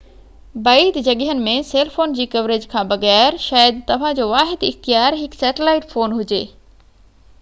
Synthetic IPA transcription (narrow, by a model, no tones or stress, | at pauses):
bait̪d͡ʑɐɠɪɦənɪ̆mẽseːlfoːnd͡ʑiːkɐʋɾeːd͡ʑkʰãːbɐɣɛːɾʃaːjəd̪t̪ɐʋ̤ãd͡ʑoːʋaːɦɪd̪ɪxt̪ijaːɾɦɪksɛːʈɪlaːɪʈfoːnɦʊd͡ʑeː